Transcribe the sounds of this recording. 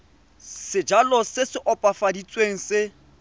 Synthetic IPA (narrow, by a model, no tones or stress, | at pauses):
sɪd͡ʒalɔsɪsɪʔɔpʼafadit͡sʼweŋ̩sɪ